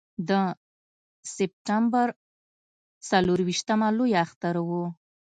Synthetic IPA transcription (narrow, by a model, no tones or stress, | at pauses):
d̪ə | sɪp̚ʈambaɾ | t͡saloɾwiʃt̪amalojaaxt̪aɾwu